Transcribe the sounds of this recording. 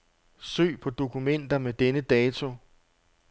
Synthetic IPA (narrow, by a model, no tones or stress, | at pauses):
sø̰ːpʰɒ̽d̥o̝kʰumen̰d̥ɐmed̥enəd̥ɛːt͡sʰo̝